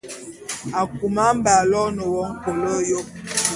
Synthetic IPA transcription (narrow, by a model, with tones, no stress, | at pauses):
a˨ku˨ma˦m̩˦ba˨lɔ˦nə˨wɔ˦ŋ̩˦ko˨lɔ˦jo˦